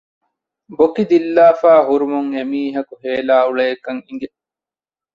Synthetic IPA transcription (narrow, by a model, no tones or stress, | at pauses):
bokid̪ilːaːfaːɦuɾumuŋemiːɦɐkuɦeːlaːuɭɐjɐkɐŋiŋɡe